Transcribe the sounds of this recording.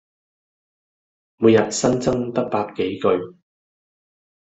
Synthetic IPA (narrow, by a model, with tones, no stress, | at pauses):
muː˨˧jɐ˨t̚sɐ˥nt͡sɐ˥ŋt̪ɐ˥k̚paː˧kːe˨˥jkɵ˧ɥ